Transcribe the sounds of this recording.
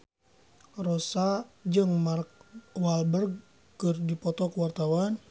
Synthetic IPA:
rɔsad͡ʒɨŋmark̚walbərɡ | kɨrdipɔt̪ɔkəwart̪awan

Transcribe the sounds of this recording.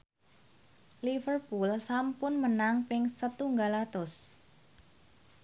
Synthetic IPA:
lifərpulsampʊnmənaŋpɪŋsət̪uŋɡalat̪ʊs

